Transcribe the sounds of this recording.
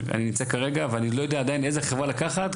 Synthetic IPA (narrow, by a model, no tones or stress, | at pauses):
a̰ninimt͡sakaʁe̞ɡaveanilo̞jo̞d̪eaːd̪ainezeχevʁalakaχat̪